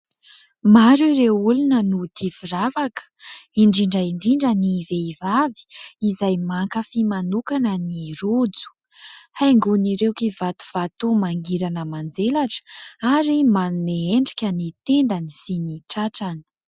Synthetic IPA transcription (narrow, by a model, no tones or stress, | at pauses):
maɾuɾewulunənut̪ʰiviravakə̥iɳɖ͡ʐiɳɖ͡ʐəiɳɖ͡ʐiɳɖ͡ʐəniveivavi̥izajmaŋkəfimanukanəniɾud͡zu̥ | hajŋɡuniɾewkivat̪u̥v̥at̪umaŋɡiɾanəmand͡zelaʈ͡ʂə̥aɾimanumeeɳɖ͡ʐikʲənit̪end̪anisiniʈ͡ʂaʈ͡ʂanə̥